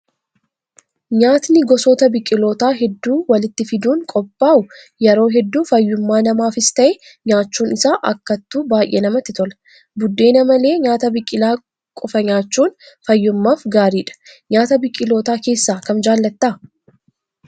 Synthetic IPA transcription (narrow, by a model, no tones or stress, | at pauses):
ɲaːt̪nɪɡɔsoːt̪ɐbɪkʼɪlo̞ːt̪aːɦɛd̪ːuːwɐlɪt̪ːɪfɪd̪uːŋkʼɔpʼːaːʔʊ | jɛɾo̞ːɦɛd̪ːuːfɐjːʊmːaːnɐmaːfɪst̪ɐʔɛ | ɲaːt͡ʃːuːnɪsaːʔɐkːɐt̪ːuːbaːjʔeːnɐmɐt̪ːɪt̪ɔlɐ̥ | bʊd̪ːe̞ːnɐmɐle̞ːɲaːt̪ɐbɪkʼːɪlaː | kʼʊfɐɲaːt͡ʃːuːn | fɐjːʊmːaːfɡaːɾiːᶑɐ̥ɲaːt̪ɐbɪkʼːɪlo̞ːt̪aːke̞ːsːaːkɐmd͡ʒaːlːɐt̪ːaː